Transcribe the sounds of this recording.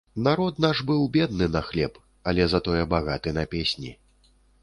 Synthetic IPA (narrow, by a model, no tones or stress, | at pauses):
naɾɔt̪naʐbɨwbʲɛd̪̚nɨnɐxlʲɛp | ɐlʲɛzɐt̪ɔjɛbaɣat̪ɨnɐpʲesʲnʲi